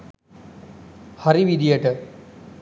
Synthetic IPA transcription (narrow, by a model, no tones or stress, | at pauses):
haɾiʋiɖijeʈ